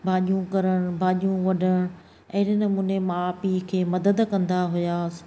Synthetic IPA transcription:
bʱaːʄijũkɐɾəɽ̃bʱaːʄijũʋɐɖʱəɽ̃ | ɐɦɪɾnɐmuːnemãpikʰeːmɐd̪əd̪kɐ̃nd̪aɦʊjaːs

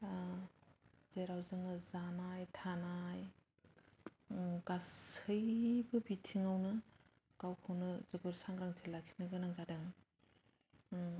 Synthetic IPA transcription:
zeɾawzɯŋɯzanajtʰanaj | ɡasɯjbɯbitʰiŋawnɯ | ɡ̥awkʰɯwnɯzɯɡɯɾsaŋɾaŋtʰelaksi̥nɯɡɯnaŋzadɯŋ

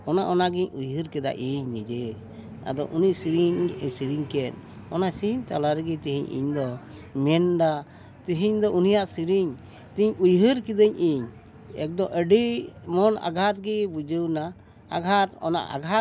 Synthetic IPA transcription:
ɔnaʔɔnaɡiɲujɦɨɾkɛd̪a̰ʔiɲnid͡ʒɛ | a̰d̪ɔʔuniʔsiɾiɲsiɾiɲkɛn̚ | ɔnasiɦiɲt̪alaɾɛɡit̪iɦiɲʔḭɲd̪ɔmɛnɖa | t̪iɦiɲd̪ɔʔunijaʔsiɾiɲ | t̪iɲujɦəɾkid̪əɲʔiɲ | ɛ̰k̚d̪ɔʔəɖimɔna̰ɡʱat̪̚ɡibud͡ʒuwnaː | ɡʱat̪ɔ̰na̰ʔa̰ɡʱa

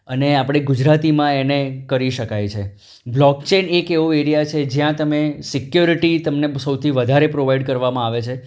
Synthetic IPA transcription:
əneapɽ̃eɡud͡ʒɾat̪imãenekəɾiʃəkajt͡ʃʰe | blɔkt͡ʃenekeʋueɾijat͡ʃʰed͡ʒjãt̪əmesɪkjuɾiʈit̪əmnesəwt̪ʰiʋəd̪ʱaɾepɾoʋaiɖkəɾʋamãaʋet͡ʃʰe

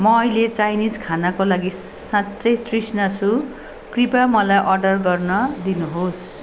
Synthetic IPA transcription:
mʌːilet͡sajnid͡zkʰanakolaɡi | sãtt͡sʌjt̪risnat͡sʰu | kripamʌlajʔʌrɖʌrɡʌrnʌd̪inuɦos

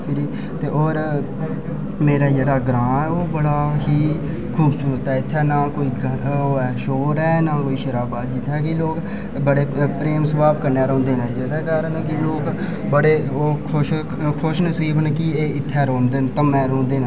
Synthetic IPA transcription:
pʰɪɾiː | t̪eːʔoːɾ | meːɾaːd͡ʒeːɽaːɡɾãːɛːoːbəɽaːɦiː | kʰuːbsuːɾət̪ɦɛːɪt̪ʰːɛːnãːkoːiːɡoːɛːʃoːɾɛːnaːkoːiːʃəɾaːbaːd̪d͡ʒɪt̪ʰːɛːkiloːk | bəɽeːpɾeːmsəʋaːbkəɾneːɾɔ̃ːnd̪eːnɛ̃ːd͡ʒeːd̪ɛːkaːɾənkɪloːk | bəɽeːoːkʰʊʃ | kʰʊʃnəsiːbʱɦənkɪeːɪt̪ʰːɛːɾõːnd̪eːnt̪ə̃ːmɛ̃ːɾõːnd̪eːn

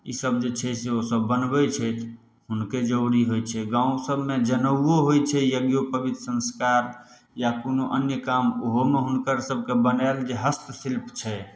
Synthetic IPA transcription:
ḭsəbd͡ʒet͡ʃʰɛseosəbːənbɛt͡ʃʰɛt̪ʰ | ɦunked͡ʒəʊɾiɦojt͡ʃʰɛɡãũsəbʱmed͡ʒənəwoɦojt͡ʃʰɛjəɡjopəbit̪ɾəsə̃nskaɾ | jakonoʔənjəkamoɦomeɦunkəɾsəb̚ʱkebənɛld͡ʒeɦəst̪silpt͡ʃʰɛ

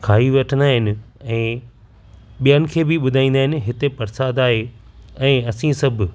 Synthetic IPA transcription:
kʰaːɦiʋɐʈʰənd̪aːɦɪnɪ̆ɛ̃ː | ɓijənɪ̆kʰeːbɪɓʊd̪ʱaːĩːnd̪aːɦɪ̃nɪ̆ɦɪt̪epɐɾsaːd̪aːɦe | ɛ̃ːɐsĩsɐbʱ

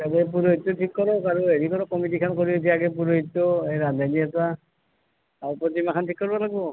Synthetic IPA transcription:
katepuɹoɦitːotʰikːɔɹɔkaɹueɹikɔɹɔkɔmitikʰankoɹitʰijaɡɛp̬uɹoɦitːɔeɹandaniɛta | aɹupɹɔtimakʰantʰikːɔɹbalaɡbɔ

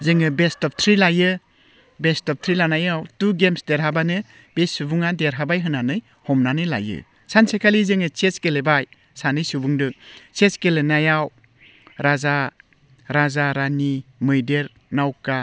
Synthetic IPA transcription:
zɯŋɯbestɔp̚t̪ʰɾilajɯ | bestɔp̚t̪ʰɾilanajawtuɡemsdeɾɦabanɯ | b̥esubuŋadeɾɦabajɦɯnanɯj | hɔmnanɯjla̰jɯ̰ | sansekʰalizɯŋɯt͡ʃeskelebaj | sanɯjsubuŋdɯt͡ʃeskelenajaw | ɾaza | ɾazaɾanimɯjdeɾ | nawka

